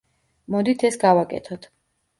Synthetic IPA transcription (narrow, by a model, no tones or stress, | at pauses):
mɔd̪it̪ʰɛsɡavakʼɛ̰t̪ʰɔt̪ʰ